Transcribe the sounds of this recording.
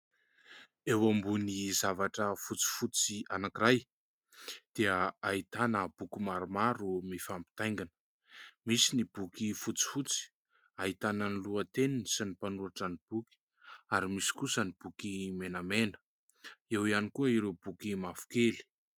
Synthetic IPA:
ewambunizavaʈ͡ʂəfut͡si̥fut͡sianakiɾaj | d̪̥eəait̪anəb̥ukimaɾumaɾumifampi̥t̪ajŋɡanə̥ | misinibukifut͡si̥fut͡si̥ | aɦit̪anəniluət̪ennisinipanuaʈ͡ʂanib̥uki̥ | aɾimisi̥kusənib̥ukimenəmenə̥ | ewianikuəiɾeb̥ukimafu̥keli̥

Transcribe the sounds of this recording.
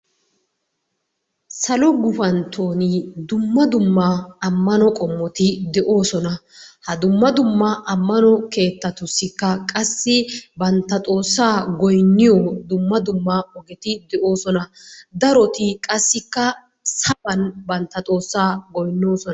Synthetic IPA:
sɐlɔɡʊfɐnt̪ʰo̞ːnɪd̪ʊmːɐd̪ʊmːɐɐmːɐnɔkʼɔmːɔt̪ɪd̪ɛʔo̞ːsɔnɐhɐd̪ʊmːɐd̪ʊmːɐʔɐmːɐnɔke̞ːt̪ːɐt̪ʊsːɪkːɐkʼɐsːɪbɐnt̪ːɐt̪ʼo̞ːsːaːɡɔjnːɪjɔd̪ʊmːɐd̪ʊmːɐɔɡɛt̪ɪd̪ɛʔo̞ːsɔnɐd̪ɐɾɔt̪ɪkʼɐsːɪkːɐ | sɐbɐnbɐnt̪ːɐt̪ʼo̞ːsːaːɡɔjnːo̞ːsɔn

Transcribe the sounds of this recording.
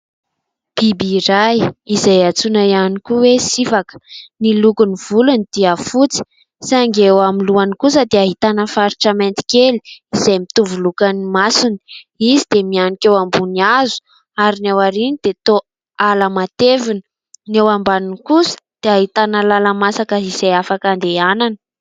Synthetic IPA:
b̥ibiɾajizajat͡sunajanikuwesifakə̥nilukuniv̥ulunid̪̥iafut͡si̥ | saŋɡewamiluanikus̬əd̪eaɦit̪anəfaɾiʈ͡ʂament̪i̥keli̥izejmit̪uvulukanimasuni̥ | izid̪̥emianikewambuniazu̥ | aɾinewaɾinid̪̥et̪o | aləmat̪evinə̥ | newambanunkusə̥d̪̥eaɦit̪anəlalamasakəiz̥ejafakand̪eananə̥

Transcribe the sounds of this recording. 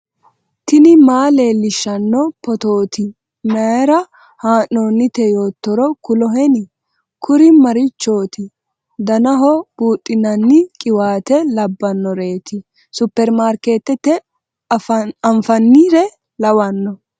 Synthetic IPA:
t̪ɪnɪmaːleːlɪʃːɐnːɔpɔt̪oːt̪ɪ | mɐɾɐ | haːnːoːnːɪt̪ɛjo̞ːt̪ːɔɾɔkʊlɔɦɛnɪ | kʊɾɪmɐɾɪt͡ʃːo̞ːt̪ɪ | d̪ɐnɐɦɔb̥uːtʼːɪnɐnːɪkʼɪwaːt̪ɛlɐbːɐnːɔɾe̞ːt̪ɪ | sʊpːɛɾmaːɾke̞ːt̪ːɛt̪ːɛ | ɐɱfɐnːɪɾɛ | lɐwɐnːɔ

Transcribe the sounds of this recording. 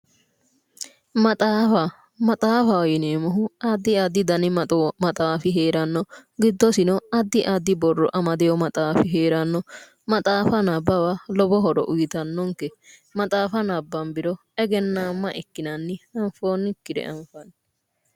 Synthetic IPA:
mɐt̪ʼaːfɐ | mɐt̪ʼaːfɐwjɪneːmɔɦʊɐd̪ːɪɐd̪ːɪd̪ɐnɪmmɐt̪ʼaːfɪɦeːɾɐnːɔɡɪd̪ːɔsɪnɔɐd̪ːɪʔɐd̪ɪbɔrːɔʔɐmɐd̪ɛjɔmɐt̪ʼaːfɪɦeːɾɐnːɔ | mɐt̪ʼaːfɐnɐbːɐwɐlɔbɔɦɔɾɔ̰ʔʊjɪt̪ɐnːɔŋkɛ | mɐt̪ʼaːfɐnɐbːɐmbɪɾɔ | ɛɡɛnːaːmːɐʔɛkːɪnɐnːɪɐɱfo̞ːnːɪkːɪd̪ɛ̰ʔɐɱfɐnː

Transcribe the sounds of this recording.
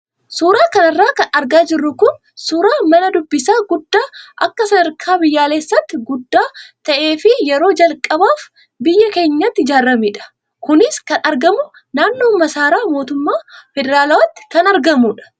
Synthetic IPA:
suːɾaːkɐnɐrːaːkɐnɐɾɡaːd͡ʒɪrːʊkʊn | suːɾaːmɐnɐd̪ʊbːɪsaːɡʊd̪ːaːʔɐkːɐsɐd̪ɐɾkʰaːbɪjːaːle̞ːsːɐt̪ːɪɡʊd̪ːaːt̪ɐʔe̞ːfɪjɛɾo̞ːd͡ʒɐlkʼːɐbaːf | bɪjːɐke̞ːɲːɐt̪ːɪɪd͡ʒaːrːɐmiᶑɐ̥ | kʊnɪskɐnɐɾɡɐmʊ | naːnːoːmːɐsaːɾaːmo̞ːt̪ʊmːaːfɛd̪ɛɾaːlɐwɐt̪ːɪ̥kɐnɐɾɡɐmuːᶑɐ̥

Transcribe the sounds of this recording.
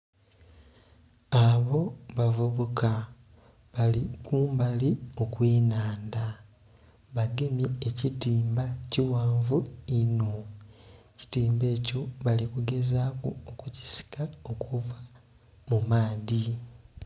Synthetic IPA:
aβo̞βavuβoka | βalikuːmbalio̞kweːnaːnda | βaɡe̞mjeːcitiːmbaciwaːɱvuino̞ | ci̥tiːmbe̞ːco̞βalikuɡe̞zaːkuokuci̥si̥kao̞kʰuva | mumaːði

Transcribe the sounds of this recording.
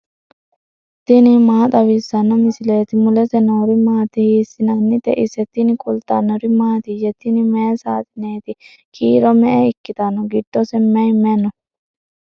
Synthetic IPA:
t̪ɪnɪmaːt̪ʼɐwisːɐnːɐmɪsɪleːt̪ɪmʊlɛt̪ɛnoɾɪmaːt̪ɪhiːsɪnɐnːɪt̪ɛ̰ʔɪsɛt̪ːɪnɪkʼʊlt̪ɐ̰nɔɾɪmaːt̪ijɛt̪ɪnɪmɛsaːt̪ɪneːt̪ɪ | kʰʼiːɾɔmɛʔɛɪkːɪt̪ɐnɔɡɪdːɔsɛmːɛjmɛnɔ

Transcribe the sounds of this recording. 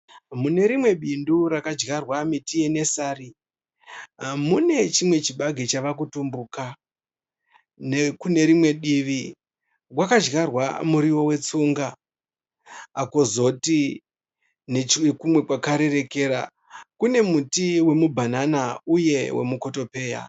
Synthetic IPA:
mune̞ɾimwe̞ɓindurakad͡ʒɡarwamitijene̞saːri | mune̞t͡ʃimwe̞t͡ʃiɓaɡʱet͡ʃaʋakutumbuka | nekune̞ɾimwe̞ɗiʋi | wakad͡ʒɡarwa̰muɾiwo̞we̞t͡suŋɡa | kozo̞ti | nekumwe̞kwakaɾe̞ɾe̞ke̞ɾa | kune̞mutiwe̞mubʱananauje̞we̞̰muko̞to̞pe̞ːja̰

